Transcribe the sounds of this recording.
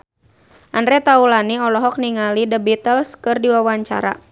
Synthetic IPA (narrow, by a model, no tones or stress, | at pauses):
ʔandɾɛt̪aulaniɔlɔɦɔk̚niŋalidəbit̪əlskɨrdiwawaɲt͡ʃa̰ɾa̰